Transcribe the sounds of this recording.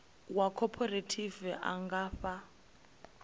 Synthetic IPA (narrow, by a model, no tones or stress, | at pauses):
wakʰɔpʰɔɾetʰivɛʔa̰ŋɡaːɸa